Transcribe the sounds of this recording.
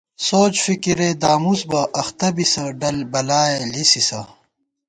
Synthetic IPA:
soːt͡ɕfikiɾed̪aːmusbɐʔɐxt̪ɐbisɐɖɐlbɐlaːjelisisɐ

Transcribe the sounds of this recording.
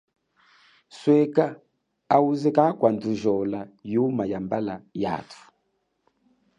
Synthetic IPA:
swɛka | auzɛkakwanduʒɔlajumajambalaja̰tʰu̥

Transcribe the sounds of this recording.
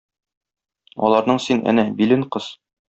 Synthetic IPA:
ɒ̰lˠɑɾnɤɴsinʔæ̰næbilɘɴqɤz

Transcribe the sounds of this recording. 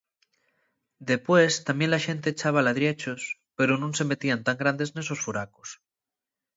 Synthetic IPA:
d̪e̞pwe̞st̪ambje̞nlaʃe̞nt̪e̞ːt͡ʃaβ̞alaðɾjet͡ʃospe̞ɾonũnse̞me̞t̪iant̪aŋɡɾand̪e̞zne̞so̞sfuɾakos

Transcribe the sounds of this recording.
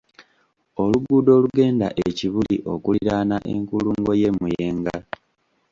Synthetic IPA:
o̞luɡuːdo̞ːluɡe̞ːndaʔeciβuliʔo̞kuliɾaːnaʔeŋkuluːŋɡo̞je̞mujeːŋɡa

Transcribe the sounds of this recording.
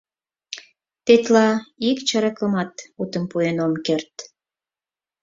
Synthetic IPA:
t̪et̪lɑikt͡ɕəɾəkəmɑt̪ut̪əmpuenomkert̪

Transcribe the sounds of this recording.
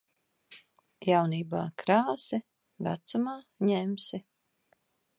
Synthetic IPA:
jawniːbaːkɾaːsi | væ̰t̪sumaːɲɛmsi

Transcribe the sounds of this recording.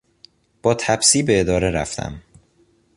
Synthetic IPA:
b̥ɒːt̪ʰæbsiːbe̞ːd̪ɒːɾe̞ɾæ̰ft̪ʰæ̰m

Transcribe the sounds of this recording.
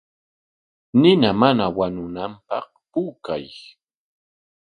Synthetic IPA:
nɪnamanawanʊnampɑ̰qpuːkaj

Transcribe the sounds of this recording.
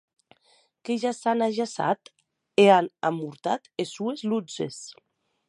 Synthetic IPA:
keʒasanaʒasa̰t̪ | eana̰muɾt̪at̪esuezlud͡zḛs

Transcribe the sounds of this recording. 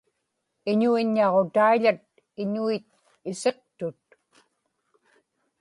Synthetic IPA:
ɪɲuiɲːɑʁot̪aiʎat̪̚ | ɪɲuit̪̚ | ɪse̞q̚t̪ʊt̪̚

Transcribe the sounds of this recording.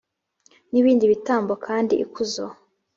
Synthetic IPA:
niβiːndiβitaːmbokʰaːndiʔːkʰuzo

